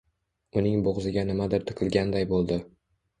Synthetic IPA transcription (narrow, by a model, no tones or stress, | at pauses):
ʊnɪŋboʁzɪɡʲanɪmad̪ɪɾt̪ʰɨ̥qʰɨlˠɡʲand̪ajbolˠd̪ɪ